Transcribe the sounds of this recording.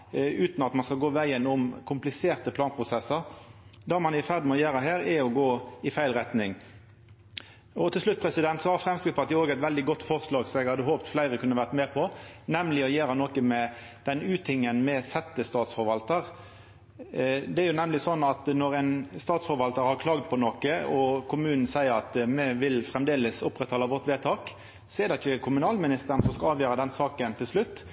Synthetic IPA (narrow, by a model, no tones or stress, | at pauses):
ʉːt̪nɑt̪mɑnskɑlɡoːʋæɪənʊmkʰʊmplɪseːʁt̪əpʰlɑːnpʰʁʊsɛsəʁd̪ɑːmɑnɪfæʁd̪mɛɔjæːɾəɦæːɾæɔɡoːɪfæɪlʁɛt̪nɪŋ | ɔt̪ʰɪlʂlʉt̪̚ːpʰʁɛsɪd̪ɛnt̪sɔhɑɾfɾɛmskɾɪt̪ʰʋɑt̪jʊoːɡæɪt̪ʋɛld̪ɪɡɔt̪ːfɔʁslɑːɡsɔmɛɡhɑd̪əɦoːpt̪flæɪɾəkʰʉnːəʋæʁt̪mɛːpʰɔnɛmlɪɔjeːɾɑnɔkəmɛ | d̪̥ɛnʉːt̪ɪŋːənmɛsɛt̪ːəst̪ɑːt̪sfɔɾʋɑlt̪əʁ | d̪ɛæɾjʊnɛmlɪsɔnːɑt̪nɔʁæɪnst̪ɑːt̪sfɔɾʋɑlt̪əɾhɑʁkʰlɑːɡd̪pʰɔnɔkəɔkʰʊmʉːnn̩sæɪəɾɑt̪mɛʋɪlfʁɛmd̪eːləsʊpːʁɛt̪hɑːlːəʋɔʁt̪ʋeːt̪ʰɑːk | sɔɛd̪ɛɪçəkʰʊmʉnɑːlmɪnɪst̪əʁən̩sɔskɑɑːʋjøːɾəd̪ɛnsɑːkənt̪ʰɪlslʉt̪ː